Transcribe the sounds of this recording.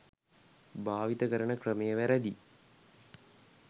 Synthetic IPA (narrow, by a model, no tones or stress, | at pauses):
bʱaːʋit̪ɐɡɐɾɐɳɐkrɐmejɐʋɐɾɐd̪i